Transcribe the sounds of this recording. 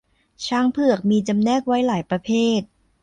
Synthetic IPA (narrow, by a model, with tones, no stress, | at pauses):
t͡ɕʰaː˦˥ŋpʰɯ˨˩ək̚miː˧t͡ɕa˧mnɛː˥˩k̚wa˦˥jlaː˩˦jpɾa˧pʰeː˥˩t̪̚